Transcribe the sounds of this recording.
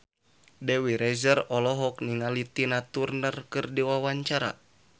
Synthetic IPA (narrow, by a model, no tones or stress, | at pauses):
dɛwiɾɛzərɔlɔɦɔk̚niŋalit̪inat̪urnərkɨrdiwawaɲt͡ʃaɾa̰